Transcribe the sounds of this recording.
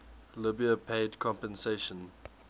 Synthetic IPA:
lɪbiəpʰeɪdkʰɔ̃mpə̃nseʃə̃n

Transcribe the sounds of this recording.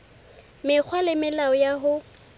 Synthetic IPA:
mɪk͡xʰwalɪmɪlaɔjaɦʊ

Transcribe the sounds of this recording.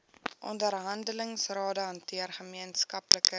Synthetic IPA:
ʔɔ̰ndərɦɐndələŋsrɑːdəɦɐntiərχəmiənskɐpləkə

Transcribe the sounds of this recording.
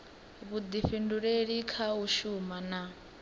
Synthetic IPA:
βud̪ifinduɺeɺikʰaɦuʃumana

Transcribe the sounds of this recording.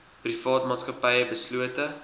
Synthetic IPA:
prifɑːtmɑːtskəpɐjəbəsluətə

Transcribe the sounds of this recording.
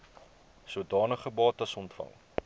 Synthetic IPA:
sudɑːnəχəbɑːtɐsɔntfɐ̰ŋ

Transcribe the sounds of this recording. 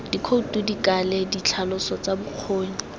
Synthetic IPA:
d̥ikʰoutʼudikaledit͡ɬʰalʊsɔt͡sabʊq͡χʰoːɲi

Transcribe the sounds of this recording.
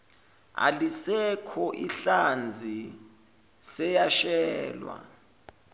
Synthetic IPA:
a̰lisɛkʰɔʔiɬand͡zʱi | sɛjaʃɛːlwa̰

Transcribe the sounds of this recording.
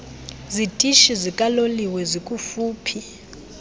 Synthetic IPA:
zitʼiʃizikʼaloliwɛzikʼufuːpʰi

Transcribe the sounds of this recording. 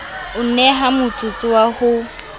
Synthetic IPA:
ʊnɛɦamʊt͡sʼut͡sʼɪwahʊ

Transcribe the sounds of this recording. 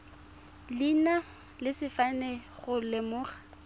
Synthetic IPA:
lina | lɪsɪfanɛχʊlɪmʊːχḁ

